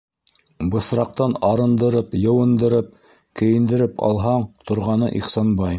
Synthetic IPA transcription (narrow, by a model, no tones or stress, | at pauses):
bɤ̆sɾɑq̚t̪ɑnɑɾɤ̆nd̪ɤ̆ɾɤpjɤ̆wɤ̆nd̪ɤ̆ɾɤp̚ | kɘ̆jɘ̆nd̪ɘ̆ɾɘpɑ̰lˠɦɑɴt̪ŏɾʁɑnɤ̰ʔiχsɑnbɑj